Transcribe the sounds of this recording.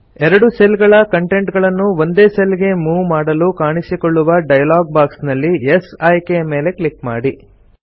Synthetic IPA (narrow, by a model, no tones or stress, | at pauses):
ɛɾɐɽuselɡɐɭɐkɐɳʈe̞ɳʈɡɐɭɐnːuo̞nd̪eːseliɡe̞muːʋmaːɽɐlukaːɳisikoɭːuʋɐɖɐjɐlaːɡ̚baːksnɐlːiesɐjkeɐme̞ːle̞kɭikmaːɽi